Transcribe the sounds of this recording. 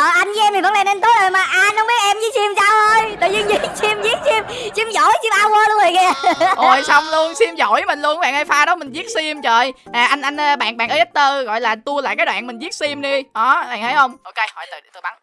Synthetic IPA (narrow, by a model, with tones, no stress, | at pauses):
ʔəː˨˩ʔa˧jnzɨ˦ʔɛ˧mt̪ʰi˨˩və˨˦ŋla˨˩ne˧nt̪o˨˦lo˨˩maː˨˩ʔaː˧nhə˧ŋ͡mɓi˦˥ət̚ʔɛ˧mzi˨˦si˧msaː˧wʔə˧jɗə˨˩jzɨ˧ŋzi˨˧˦si˧mzi˦˥ək̚si˧m | t͡ɕi˧mzo̰˧˨˥jsi˧mʔaː˧wəː˧lu˧əŋzo˨˩ŋɛ˧˩ʔo˨˩jsa˧wŋ͡mlu˧ənsi˧mzo̰˧˩jmi˨˩ŋ̟lu˧ənɓa̰ː˧˨ʔəː˧˩faː˧ɗɔ˨˦mï˨˩ŋ̟zi˦˥ət̚si˧mt͡ɕəː˨˩jʔaː˨˩ʔa˧ŋ̟ʔa˧jnə˧ɓa̰ː˧˨nɓa̰ː˧˨˩ʔəː˨˦ʔt̚t̪əː˧ɣɔ̰˧˨jlaː˨˩t̪u˧əla̰ː˧˨kaː˦˥jɗwa̰ː˧˨nmï˨˩ŋ̟zi˦˥t̚si˧mɗi˧ʔɔ˨˦ɓa̰ː˨˩nə˨˦jhə˧wŋ͡mʔo˧wke˧jhɔ˧˩jt̪ɨ˨˩˨t̪ʰːɓa˨˦ŋ